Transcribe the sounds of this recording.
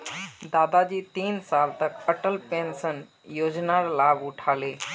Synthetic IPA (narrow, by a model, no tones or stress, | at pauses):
d̪aːd̪ad͡ʑiːt̪iːnsaːlt̪ɐkpəʈəlpẽːnsən | joːd͡ʑnaɾlaːbʊʈʰaːleː